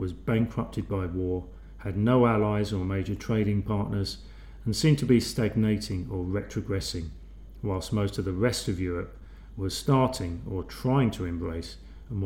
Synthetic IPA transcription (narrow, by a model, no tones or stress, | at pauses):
wʌzbæ̃ŋkʰɹʌp̚tʰɨd̚baɪwɔɹ | ɨdⁿnoʊælaɪzə˞meɪd͡ʒə˞tʰɹ̥eɪɾɪ̃ŋpʰɑɹʔⁿnə˞z̃ | n̩sĩmtʰɨbistæɡ̚neɪɾɪ̃ŋə˞ɹɛtʰɹ̥ɨɡɹɛsɪ̃ŋ | waɪlˠstmoʊstʌvðəɹɛstʌvjʊɹɨp̚ | wə̥˞stɑɹɾɪ̃ŋə˞tʰɹ̥aɪɪ̃ŋtʰəɨ̃mbɹeɪs | əm